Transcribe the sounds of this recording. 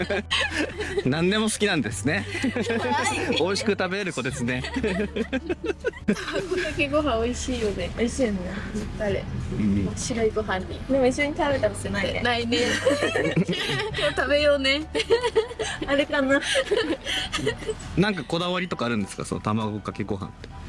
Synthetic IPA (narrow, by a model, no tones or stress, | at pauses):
nãnd̪e̞mo̞sɨ̥kʲinãnd̪e̞sɨne̞ | o̞iɕi̥kɯ̟t̪abe̞ɾeɾɯ̟ko̞t̪e̞t͡sɨnẽ | kõd̪akeɡo̞ɦão̞iɕiːjone̞oiɕiːneaɾḛoɕiɾo̞iɡo̞ɦãɲ̟ːid̪emoiɕːoɲ̟it̪abet̪aɾasonaiḛnainẽ | kot̪abe̞jo̞ːne | ɾe̞kana | nãŋkako̞d̪aβaɾʲit̪o̞kaːɾɯ̟̃nd̪e̞sɨ̥ka̰sono̰t̪amaɡokakeɡo̞ɦã̰nt̪e